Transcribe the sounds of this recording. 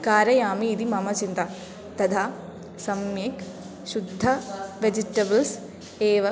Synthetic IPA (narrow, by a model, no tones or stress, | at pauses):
kaːɾɐjaːmiːd̪imɐmɐt͡ʃint̪ɐ | t̪ɐt̪ʰa | sɐmjeːk | ʃud̪ʱːɐʋed͡ʒiʈɐbɐls | eːʋɐ